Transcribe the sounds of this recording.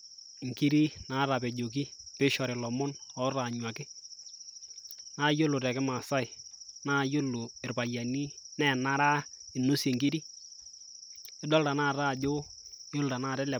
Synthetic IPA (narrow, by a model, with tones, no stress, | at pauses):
ŋki˦ɾi˦na˨˦ɾa˨pɛ˨d͡ʒo˨ki˦pɪ˦ʃɔ˨ɾɪ˨lɔ˨mɔ˦nɔ˨˦ɾa˨ɲwa˨kɪ˦ | na˦jo˦lʊ˨ɾɛ˨kɪ˦ma˨sa˦ɪ˨na˦jo˦lu˨ɪ˨rpa˨ja˨ni˦nɛ˨na˦ɾa˦ɪ˨nʊ˦se˨ŋki˦ɾi˦ | ɪ˦dɔ˦lta˨naː˦˨ɾaː˦˨d͡ʒo˦ | jo˦lta˨na˦˨ɾɛ˦lɛ˨